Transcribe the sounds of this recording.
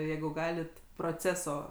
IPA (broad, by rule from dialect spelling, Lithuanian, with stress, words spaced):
ˈjɛɪɡʊ ˈɡɑːlʲɪt proːˈt͡sʲæːsoː